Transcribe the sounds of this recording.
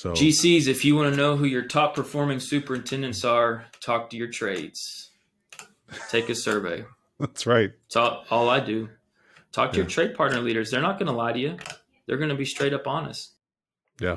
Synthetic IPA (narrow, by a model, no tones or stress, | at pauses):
sod͡ʒisizɨfjɨwɑ̃nɨnoʊɦʉjə˞tʰɔpʰə˞fɔɹmɪ̃ŋsʉpə˞ɨ̃ntʰɛ̃ndɨ̃ntsə˞tʰɔk̚tʰɨjə˞tʰɹ̥eɪdz̥ | tʰeɪkɨsɜ˞vḛɪ | ðætsɹaɪt̚ɪtsɔɔlˠaɪdɨ | tʰɔk̚tʰɨjə˞tʰɹ̥eɪd̚pʰɑɹtⁿnə˞liɾə˞zðə˞nət̚ɡ̥ʌnəlaɪɾɨjɨ | ðə˞ɡʌnɨbistɹ̥eɪɾʌpɑnɨ̰s̚ | jæ̰